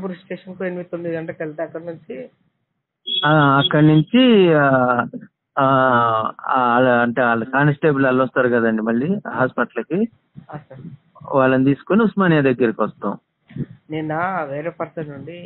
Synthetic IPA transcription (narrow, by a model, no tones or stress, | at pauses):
puɾisʈeːʂɐnkoenimit̪omːid̪ɡɐɳʈɐkelt̪eɐkːɐɽnuɲt͡ʃi | ɐɐkːɐɽɐnuɲt͡ʃi | lɐɐɳʈeːaːlːɐkaːnɐsʈeːbulɐlːɐst̪aːɾuɡɐd̪ɐɳɖimɐɭːiɦaːspɐʈlɐki | ɐsɐɽ | ʋaːɭːɐnit̪iːsu̥koniusmaːnijɐd̪ɐɡːɐɾɐkiʋɐst̪ã̰ːw̃ | nenːaʋeːɾeːpɐɾsɐnuɳɖi